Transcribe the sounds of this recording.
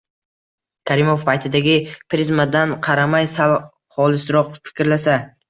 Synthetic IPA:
kʰaɾɪmo̞fpʰajt̪ʰɪd̪aɡʲɪpʰɾɪzmad̪anqʰɑɾamajsalˠ | χɒlˠɪsɪɾɒqfɪ̥kʲɾlasa

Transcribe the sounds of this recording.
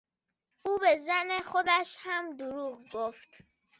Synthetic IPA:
uːbe̞zænexod̪æʃhæmd̪uɾuːɣɡoft̪

